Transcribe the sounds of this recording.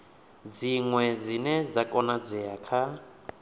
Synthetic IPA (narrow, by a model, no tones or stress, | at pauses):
d͡ziŋwɛd͡zinɛd͡zakʼɔnad͡zʷɛakʰa